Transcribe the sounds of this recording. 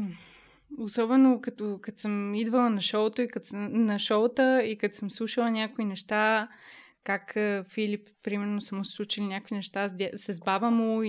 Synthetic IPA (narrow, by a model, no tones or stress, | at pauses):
osɔbɛnokɐt̪okɐt̪səmid̪vəlˠɐnɐʃɔot̪oikɐt̪snɐʃɔt̪əikɐt̪səmslˠuʃəlˠɐnʲakʊinɛʃt̪a | kakːfilippːɾimɛɾnosɐmoslˠut͡ʃilinʲakoinɛʃt̪azd̪ʲsɛzbavəmoi